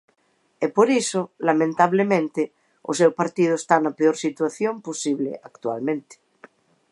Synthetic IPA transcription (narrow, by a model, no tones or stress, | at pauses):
epoɾisolamẽnt̪aβ̞lemẽnt̪e | o̰sewpaɾt̪iðoest̪anapeoɾsit̪waθjomposiβlḛʔakt̪wa̰lmẽnt̪e̥